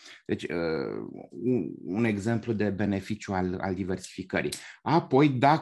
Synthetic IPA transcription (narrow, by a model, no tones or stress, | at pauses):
d̪e̞t͡ʃʲə̰ | une̞ɡze̞mplud̪e̞be̞ne̞fit͡ʃjuala̰ld̪ive̞rsi̥fikəɾḭjapo̞jd̪a